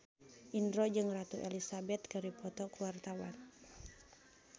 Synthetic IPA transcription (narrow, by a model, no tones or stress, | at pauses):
ʔindɾɔd͡ʒɨŋrat̪uʔɛlisabɛt̪̚kɨɾipɔt̪ɔkuwart̪awan